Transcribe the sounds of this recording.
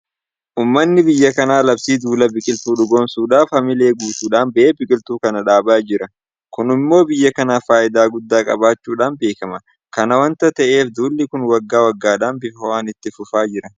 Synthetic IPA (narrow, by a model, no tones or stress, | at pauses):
ʔuːmːɐnːɪbɪjːɐkɐnaːlɐbsiːd̪uːlɐbɪkʼɪlt̪uːᶑʊɡo̞ːmsuːᶑaːfhɐmɪle̞ːɡuːt̪uːᶑaːnbɐʔeːbɪkʼɪlt̪uːkɐnɐᶑaːbaːd͡ʒɪɾɐ | kʊnɪmːo̞ːbɪjːɐkɐnaːfaːʔɪd̪aːɡʊd̪ːaːkʼɐ̰baːt͡ʃːuːᶑaːnbe̞ːkɐmɐ | kɐnɐwɐnt̪ɐt̪ɐʔe̞ːfd̪uːlːɪkʊnwɐɡːaːwɐɡːaːᶑaːnbɪfhɔwaːnɪt̪ːɪfʊfaːd͡ʒɪɾɐ